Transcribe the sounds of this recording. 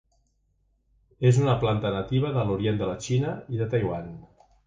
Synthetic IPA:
ezunəplant̪ənət̪iβ̞əðəluɾiend̪ələt͡ʃinəiðət̪ajwwan

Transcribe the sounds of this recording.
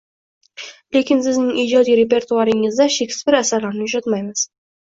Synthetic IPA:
lekʲɪns̬ɪznɪŋiːd͡ʒɒd̪ijɾe̞pe̞ɾt̪uaɾɪŋɪzd̪aʃekʲsɪ̥zbɪɾasaɾlaɾnɪʊʃat̪majmɪz̥

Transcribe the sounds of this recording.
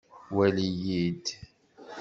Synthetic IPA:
wælijid̪

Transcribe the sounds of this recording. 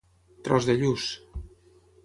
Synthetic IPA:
t̪ɾɔzðəʎus

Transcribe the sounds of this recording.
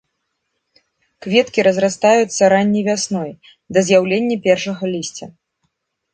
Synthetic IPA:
kvʲɛt̪kʲiɾɐzrast̪ajut̪sːɐɾanʲːijvʲasnɔj | d̪ɐzʲjawlʲenʲːɐpʲɛrʂɐɣɐlʲisʲt͡sʲɐ

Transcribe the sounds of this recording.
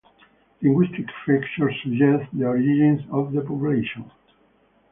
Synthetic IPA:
lĩŋɡwist̪ikfikt͡ʃəɹsəd͡ʒɛstd̪iɔɹid͡ʒĩnsɔvðəpɔpjuleʃɔ̃n

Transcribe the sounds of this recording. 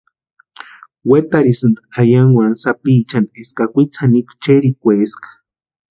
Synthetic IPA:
wet̪aɾisɨnd̪aajaŋwansapiːt͡ʃaneskakʷit͡sʰanikʷt͡ʃeɾikʷeskḁ

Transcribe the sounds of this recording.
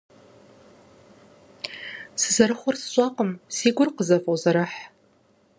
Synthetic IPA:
sɨzɐɾɨχʷʊrsɕʷʼaqʼəmsiːɡʷʊrqəzafʼowzaɾɨħ

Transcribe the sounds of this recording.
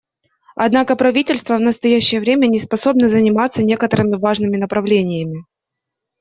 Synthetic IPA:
ɐ̰d̪nakəpɾɐvʲitʲɪlʲst̪vəvnəst̪ɐjæɕːɪjəvɾʲemʲənʲɪspɐso̞bnəzənʲɪmat̪sːənʲe̞kət̪əɾɨmʲɪvaʐnɨmʲɪnəpɾɐvlʲenʲɪjəmʲɪ

